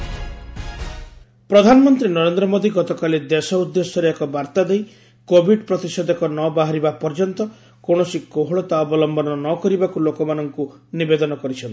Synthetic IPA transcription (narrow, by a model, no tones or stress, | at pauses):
pɾɔd̪ʱanɔmɔnt̪ɾinɔɾend̪ɾɔmod̪iɡɔt̪ɔkaled̪esɔud̪ːesɔɾeekɔbaɾt̪ad̪ej | kobʱiɖpɾɔt̪isɔd̪ʱɔkɔnɔbaɦaɾibapɔɾd͡ʒɔnt̪ɔ | koɽ̃ɔsikoɦɔɭɔt̪aɔbɔlɔmbɔnɔnɔkɔɾibakulokɔmanɔŋku | nibed̪ɔnɔkɔɾit͡ʃʰɔnt̪i̥